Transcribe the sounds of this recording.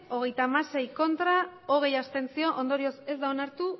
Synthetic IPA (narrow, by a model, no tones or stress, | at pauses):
o̞ɣ̞e̞jt̪aːmase̞jko̞nt̪ɾao̞ɣ̞e̞jast̪e̞nt͡sio̞ʔond̪o̞ɾio̞se̞zd̪aonaɾt̪u